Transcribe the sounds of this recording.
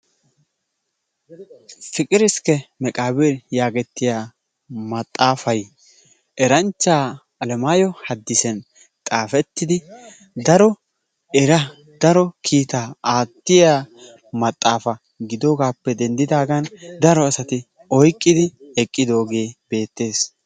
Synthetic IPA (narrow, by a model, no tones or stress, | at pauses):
fɪkʼɪɾɪskɛmɛkʼaːbɛɾjaːɡɛt̪ːɪjaː | mɐt̪ʼːaːfɐj | ʔɛɾɐnt͡ʃːaː | ɐlɛmaːjɔhɐd̪ːɪsɛn | t̪ʼaːfɛt̪ːɪd̪ɪ | d̪ɐɾɔ | ɛɾɐ | d̪̥ɐɾɔkʰiːt̪aːaːt̪ːɪjaː | mɐt̪ʼːaːfɐ | ɡɪd̪o̞ːɡaːpːɛd̪ɛnd̪ɪd̪aːɡɐnd̪ɐɾɔɐsɐt̪ɪ | ɔjkʼːɪd̪ɪɛkʼːɪd̪o̞ːɡe̞ːb̥e̞ːt̪ːe̞ːs